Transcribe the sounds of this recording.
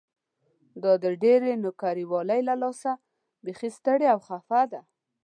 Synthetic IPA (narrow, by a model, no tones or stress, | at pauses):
d̪ɑd̪əɖeɾenʊkaɾiwɑlajlalɑsa | bexest̪əɽeawxafad̪a